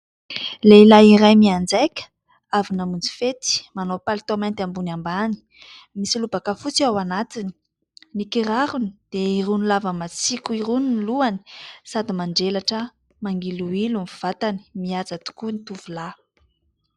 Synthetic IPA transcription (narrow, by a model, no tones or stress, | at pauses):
leilaiɾajmiand͡zajkʲə̥ | avinamund͡zi̥fet̪i̥manopalt̪omant̪ambunambani̥ | misilubakafut͡siawanat̪ini̥ | nikiɾaɾunid̪̥eirunilavəmat͡sikʲuiɾuniniluani̥sad̪imaɳɖ͡ʐelaʈ͡ʂə | maŋɡiluilumfuv̥at̪ani̥miad͡zat̪u̥kunit̪uvula